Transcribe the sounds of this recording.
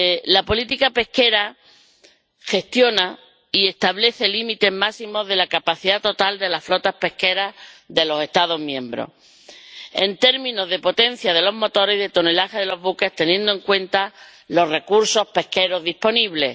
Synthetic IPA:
lapo̞lit̪ikape̞hke̞ɾa | xe̞st̪jo̞na | ie̞st̪aβle̞θe̞limit̪e̞ɦmasimo̞ɦðe̞lakapaθiðat̪o̞t̪ald̪e̞laflo̞t̪ahpe̞hke̞ɾaðe̞lo̞se̞st̪aðo̞ɦmjẽ̞mbɾo̰ | e̞̰nt̪e̞ɾmĩno̞ɦðe̞po̞t̪ẽ̞n̟θjaðe̞lo̞ɦmo̞t̪o̞ɾe̞ɦðet̪one̞laxeðe̞lo̞ɦβuke̞ht̪e̞njẽ̞nd̪oe̞ŋkwẽ̞nt̪a | lo̞re̞kuɾso̞hpe̞hke̞ɾo̞zðihpo̞niβle̞̰

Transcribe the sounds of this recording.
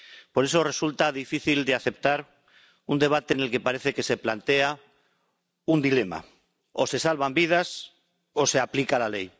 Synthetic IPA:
po̞ɾe̞so̞re̞sult̪aðifiθild̪eaθe̞p̚t̪aɾ | und̪e̞β̞at̪e̞ːne̞lke̞paɾe̞θe̞ke̞se̞plant̪e̞a | und̪ile̞ma̰ | ose̞salβambið̞as | o̞se̞aplikalale̞j

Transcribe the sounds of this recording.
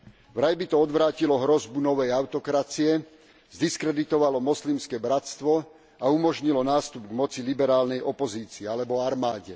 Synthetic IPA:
ʋɾajbit̪ɔɔd̪ʋɾaːcilɔɦɾɔzbunɔʋɛjaʊt̪ɔkɾat͡siɛ | zd̪iskɾɛd̪it̪ɔʋalɔmɔslimskɛbɾast̪ʋɔ | aumɔʒɲilɔnaːst̪ubɡmɔt͡silibɛɾaːlnɛjʔɔpɔziːt͡siɛalɛbɔaɾmaːɟɛ

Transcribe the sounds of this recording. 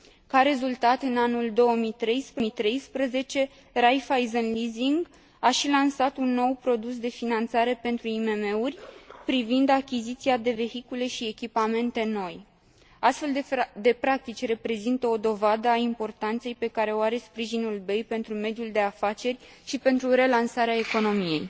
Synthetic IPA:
kaɾe̞zult̪at̪ɨnanuld̪o̞wəmit̪ɾe̞jspɾmit̪ɾe̞jspɾəze̞t͡ʃe̞ | rajfajzənliziŋɡ | aʃilansat̪unːo̞wpɾo̞d̪us̬d̪e̞finant̪saɾe̞pe̞nt̪ɾuime̞me̞urʲpɾivind̪akʲizit̪siad̪e̞ve̞hikule̞ʃie̞kʲipame̞nt̪e̞no̞j | ast̪fe̞ld̪d̪e̞pɾak̚t̪it͡ʃʲre̞pɾe̞zint̪əo̞d̪o̞vad̪əaimpo̞rt̪ant̪se̞jpe̞kaɾe̞oaɾe̞spɾiʒinulbe̞jpe̞nt̪ɾume̞d̪juld̪e̞afat͡ʃe̞rʲ | ʃipe̞nt̪ɾuɾe̞lansaɾeae̞ko̞no̞mije̞j

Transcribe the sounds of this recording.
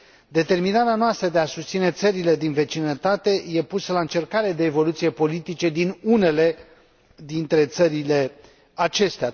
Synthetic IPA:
d̪e̞t̪e̞rminaɾeanoast̪ɾəd̪e̞asust̪sine̞t̪səɾile̞d̪inve̞t͡ʃinət̪at̪e̞je̞pusəlaɨnt͡ʃe̞rkaɾed̪e̞ːvo̞lut̪sije̞po̞lit̪it͡ʃe̞d̪inune̞le̞ | d̪int̪ɾe̞t̪səɾile̞ | at͡ʃe̞st̪ea

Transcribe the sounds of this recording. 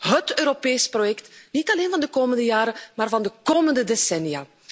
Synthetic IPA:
ɦətøːɾopeːsprojɛktnitɑleːnvɑndəkoːməndəjaːɾəmaːrvɑndəkoːməndədesɛnjaː

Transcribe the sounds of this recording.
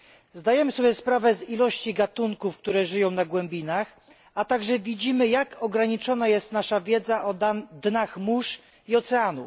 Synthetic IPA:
zd̪ajɛmɘsɔbʲjɛspɾavɛzilɔɕt͡ɕiɡat̪uŋkufkt̪uɾɛʐɘjɔ̃w̃naɡwɛmbʲinax | at̪aɡʐɛvʲid͡ʑimɘjakɔɡɾaɲit͡ʂɔnajɛst̪naʂavʲjɛd̪zaʔɔd̪naxmuʂ | iɔt̪sɛanṵ

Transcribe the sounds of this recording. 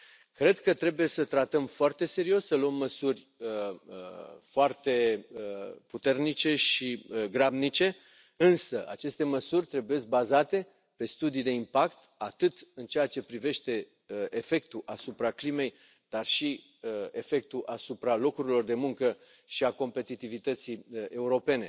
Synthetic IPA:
kɾe̞d̪kət̪ɾe̞buje̞sət̪ɾat̪əmfoart̪e̞se̞ɾio̞sʲsəluəmːəsurʲ | əəfoart̪e̞əput̪e̞rnit͡ʃe̞ʃiəɡɾabnit͡ʃe̞ | ɨnsəa̰t͡ʃe̞st̪e̞məsurʲt̪ɾe̞buje̞sk̚bazat̪e̞ | pe̞st̪ud̪id̪e̞impakt̪at̪ɨt̪ɨnt͡ʃe̞jat͡ʃe̞pɾive̞ʃt̪e̞ | e̞fe̞k̚t̪uʔasupɾaklime̞j | d̪̥arʃi | e̞fe̞k̚t̪uʔasupɾalo̞kuɾilo̞rd̪e̞muŋkə | ʃiako̞mpe̞t̪it̪ivit̪ət̪siəʔe̞uɾo̞pe̞ne̞̰

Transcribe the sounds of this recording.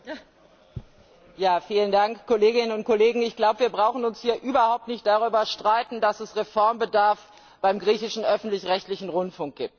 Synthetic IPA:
jaːfiːləndaŋkkoleːɡɪnənʊnt̚kʰoleːɡŋ̩ɪçɡ̥laʊbəviːɐbʁaʊxn̩ʊnshiːɐʔyːbɐhaʊp̚tnɪçt̚d̥aʁ̞yːbɐʃtʁ̥aɪtn̩dasɛsʁefɔɐmbədaɐf | b̥aɪmɡʁiːçɪʃn̩ʔœfn̩tlɪçʁɛçtlɪçn̩ʁʊntfʊŋk̚ɡ̥iːp̚t

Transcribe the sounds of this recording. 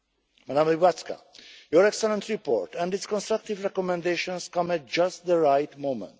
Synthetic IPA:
mad̪ãmlibatska̰jɔɹɛksɛlɛ̃nt̪ɹipɔ̰ɹt̪ɛ̃nditskɔ̃nst̪ɾak̚t̪ivɹɛkɔmɛ̃nd̪eʃɔ̃nskʌ̃mæt̚d͡ʒast̪ðəɹajt̪mõmɛ̰̃nt

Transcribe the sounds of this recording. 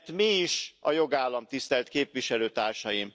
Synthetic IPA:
t̪miːʃɒjo̞ɡaːlːɒmt̪ist̪ɛlt̪keːpʋiʃɛløːt̪aːrʃɒjim

